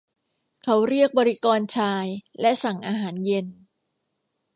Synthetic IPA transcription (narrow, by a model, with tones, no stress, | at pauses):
kʰa˦˥wɾi˥˩ək̚bɔː˧ɾi˦˥kɔː˧nt͡ɕʰaː˧jlɛ˦˥ʔsa˨˩ŋʔaː˧ɦaː˩˦nje˧n